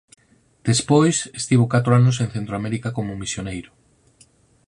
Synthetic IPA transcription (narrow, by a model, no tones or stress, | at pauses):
d̪̥espojsest̪iβokat̪ɾoanos̬eŋ̟θent̪ɾoameɾikakomomisjonejɾo